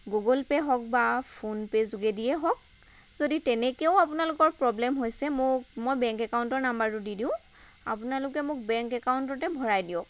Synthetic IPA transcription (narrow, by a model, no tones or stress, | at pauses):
ɡoɡɔlpɛɦɔk̚bapʰonpezuɡedijɛɦɔk̚ | zoditɛnɛkɛʊapʊnalʊkɔɹpɹɔblɛmɦojsɛmʊkmojbɛŋkɛkaʊntɔɹnambaɹʊdidĩʊ̃ | a̰pʊnalʊkɛmʊk̚bɛŋkɛkawʊntɔtɛbʱɔɹajdijɔk̚